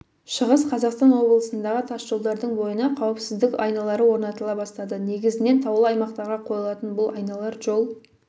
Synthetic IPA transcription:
ʃəʁəsqʰɑzɑqst̪ɑnwo̞blˠəsənd̪ɑʁət̪ʰɑsʒ̥o̞lˠd̪ɑɾd̪əɴbo̞jənɑqʰɑwəpsɪzd̪ɪkɑjnɑlˠɑɾəwo̞ɾnɑt̪əlˠɑbɑst̪ɑd̪əne̞ɡʲɪzɪne̞nt̪ʰɑwlˠəɑjmɑqt̪ɑɾʁɑqʰo̞jəlˠɑt̪ənbʊlˠɑjnɑlˠɑɾʒo̞lˠ

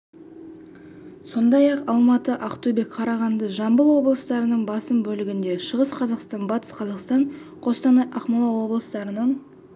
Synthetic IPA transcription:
so̞nd̪ɑjɑqɑlˠmɑt̪əʔɑqt̪ube̞kqʰɑɾɑʁɑnd̪əʒɑmbəlˠwo̞blˠəst̪ɑɾənəɴbɑsəmbɵlɪɡʲɪnd̪e̞ʃəʁəsqʰɑzɑqst̪ɑnbɑt̪ə̥sqʰɑzɑqst̪ɑɴ | qʰo̞st̪ɑnɑʔɑqmɑlˠɑwo̞blˠəst̪ɑɾənəɴ

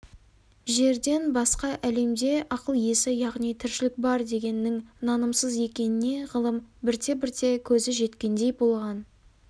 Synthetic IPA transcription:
ʒe̞ɾd̪e̞nbɑsqɑʔæle̞md̪e̞ʔɑqəlˠje̞sɪjɑʁnijt̪ʰɪɾʃɪlɪk̚bɑɾd̪e̞ɡʲe̞nːɪŋnɑnəmsəzje̞kʲe̞nɪne̞ʁəlˠəmbɪɾt̪ʰe̞bɪɾt̪e̞kʲʰɵzɪʒe̞t̪kʲe̞nd̪e̞jbo̞lˠʁɑn

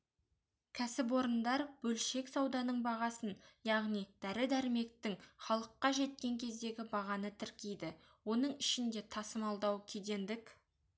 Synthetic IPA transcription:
kʲʰæsɪp̬wo̞ɾənd̪ɑɾb̥ɵlʃe̞ksɑwd̪ɑnəɴbɑʁɑsənjɑʁnijd̪̥æɾɪd̪æɾɪme̞k̚t̪ɪŋχɑlˠəqːɑʒe̞t̪̚kʲe̞ŋkʲʰe̞z̪d̪e̞ɡʲɪbɑʁɑnət̪ʰɪɾkʲejd̪ɪ | wo̞nəɴɪʃɪnd̪e̞t̪ʰɑsəmɑlˠd̪ɑwkʲʰed̪e̞nd̪ɪk

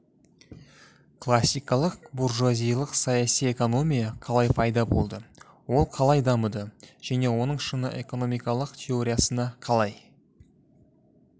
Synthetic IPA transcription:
kʰlˠasʲːijkɑlˠəq̚burʒazijlˠəqsɑjɑsije̞ko̞no̞mʲijɑqʰɑlˠɑjpʰɑjd̪ɑbo̞̰lˠd̪ə | wo̞lˠqʰɑlˠɑjd̪ɑməd̪əʒ̥æne̞wo̞nəɴʃənəʔe̞ko̞no̞mijkɑlˠəqt̪ʲʰe̞o̞ɾʲijasənɑqʰɑlˠɑj

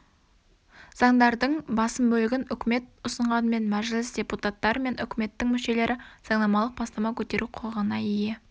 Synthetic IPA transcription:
z̥ɑɴd̪ɑɾd̪əɴbɑsəmbɵlɪɡʲɪnʏkʲɪme̞t̪̚ʊsəɴʁɑnəme̞nmæʒlɪsd̪ʲe̞put̪at̪ːɑɾəme̞nʔʏkʲɪme̞t̪ːɪŋmʏʃe̞le̞ɾʔɪz̥ɑɴnˠɑmɑlˠəq̚bɑst̪ɑmɑkʲʰɵt̪e̞ɾʔuqʰolˠəʁənɑije

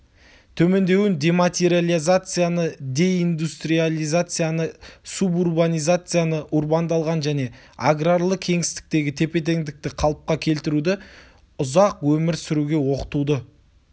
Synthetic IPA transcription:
t̪ʰɵme̞nd̪e̞wɪnd̪e̞mat̪ʲeɾijalʲˠizat̪sɨjanəd̪e̞ind̪ust̪rijalʲˠijzat̪sɨjanəsuburbanʲijzat̪sɨjanəʔurbɑnd̪ɑlˠʁɑnʒæne̞ | aɡraɾlˠəkʲʰe̞ŋɪst̪ɪ̥k̚t̪e̞ɡʲɪt̪ʰe̞pe̞t̪̬e̞ŋd̪ɪk̚t̪ɪqʰɑlˠəp̚qɑkʲʰe̞lt̪ɪɾud̪ɪ | ʊzɑqwɵmɪɾsʏɾuɡʲe̞wo̞qə̥t̪ud̪ə

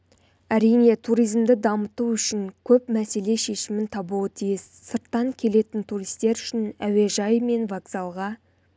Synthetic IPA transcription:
æɾijne̞t̪ʰuɾijzmd̪ɪd̪ɑmət̪uʏʃɪŋkʲʰɵpmæse̞le̞ʃe̞ʃɪmɪnt̪ʰɑbuwət̪ʰijɪsːəɾt̪ːɑŋkʲʰe̞le̞t̪ɪnt̪ʰuɾijst̪e̞ɾʏʃɪnæwe̞ʒɑjme̞nvaɡzɑlˠʁɑ

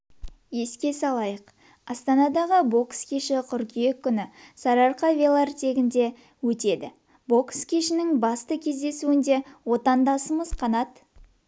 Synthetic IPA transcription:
je̞skʲe̞sɑlˠɑjəq | ɑst̪ɑnɑd̪ɑʁəbo̞kskʲʰeʃɪqʰʏɾkʲije̞kʲːʏnɪsɑɾɑɾqɑvʲelˠɑrt̪e̞ɡʲɪnd̪e̞ | wɵt̪e̞d̪ɪ | bo̞kskʲʰe̞ʃɪnɪŋbɑst̪əkʲʰe̞zd̪e̞suɪnd̪e̞wo̞t̪ɑnd̪ɑsəməz̥qʰɑnɑt̪

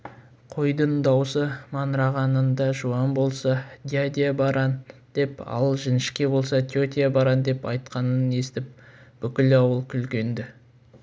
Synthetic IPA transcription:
qʰo̞jd̪ənd̪ɑwsəmɑnɾɑʁɑnənd̪ɑʒuɑnbo̞lˠsɑd̪ʲiad̪ʲijabɑɾɑnd̪̥e̞pɑ̰lˠəlˠʒɪnɪʃkʲe̞bo̞lˠsɑt̪ʲjot̪ʲijabɑɾɑnd̪e̞pɑjt̪qɑnəne̞st̪ɪp̚b̥ʏkʲɪlɑwəlˠkʲʰʏlkʲe̞nd̪ɪ

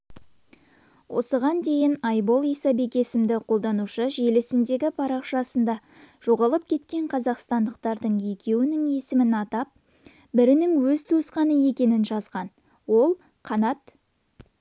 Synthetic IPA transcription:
wʔo̞̰səʁɑnd̪e̞jɪnɑjbo̞lˠijsɑbe̞kʲe̞sɪmd̪ɪqʰo̞lˠd̪ɑnuʃəʒelesɪnd̪e̞ɡʲɪpʰɑɾɑqʃɑsənd̪ɑʒ̥o̞ʁɑlˠəp̚kʲʰe̞t̪kʲe̞ɴqʰɑzɑqst̪ɑnd̪əqt̪ɑɾd̪əɴje̞kʲe̞wɪnɪŋe̞sɪmɪnɑt̪ɑp̚ | bɪɾɪnɪŋwɵzt̪ʰusqɑnəje̞kʲe̞nɪnʒɑzʁɑn | wo̞lˠ | qʰɑnɑt̪

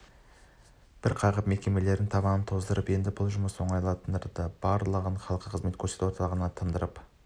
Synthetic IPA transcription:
b̥ɪɾqʰɑʁəpme̞kʲe̞me̞le̞ɾɪnt̪ʰɑβɑnənt̪ʰo̞zd̪əɾəpje̞nd̪ɪbʊlˠʒʊməso̞ɴɑjlˠɑt̪ənəɾd̪əb̥ɑɾlˠəʁəɴχɑlˠəqːəqʰəzme̞t̪kʲʰɵɾset̪wot̪ɑlˠʁɑnɑt̪ʰəmd̪əɾəp

